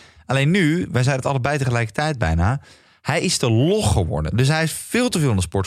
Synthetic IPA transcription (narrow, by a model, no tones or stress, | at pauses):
ʔɑlejnːyʋɛjzɛjnətɑləɹbɛjtəχəlɛjkə̥tɛjd̚bɛ̰jnaː | hɛjɪzdəlɔχχəʋɔ̰ɹdə̰ndɵs̬ɦɛjɪsfɪːlˠtəvɪːlˠɑndəspɔɹt